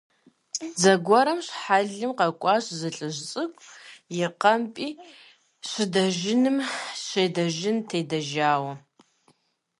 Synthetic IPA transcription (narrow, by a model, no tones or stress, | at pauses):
zɐɡʷɔɾɐmɕħaɮɨmqɐkʷʼɑːɕzɨɬʼɨʑt͡sʼɨkʷʼjɪqɐmpʼiː | ɕʷɪdɐʒɪnɨmɕʷejdɐʒɪntʰeːdɐʒaːwɐ